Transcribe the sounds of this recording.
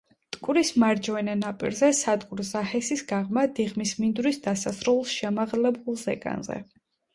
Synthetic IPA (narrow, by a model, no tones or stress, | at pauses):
t̪ʼkʼuɾismaɾd͡ʒvɛnɛnapʼḭɾzɛsad̪kʼuɾzahɛsisɡaʁmad̪iʁmismind̪ɾisd̪asasɾulˠsʃɛmaʁlɛbulˠzɛ̰kʼa̰nzɛ̰